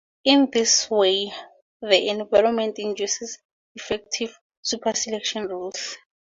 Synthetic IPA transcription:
ĩndiswe | ðiʔɛ̃nvajɹɔmɛ̃ntĩnd͡ʒusɛs | ifɛk̚tʰiv | supʰasɛlɛkʃɔnruls

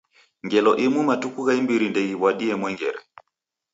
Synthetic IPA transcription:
ŋɡɛlɔʔimumatukuɣaimbiɾindɛɣiβwaɗiɛmwɛŋɡɛ̰ɾɛ̰

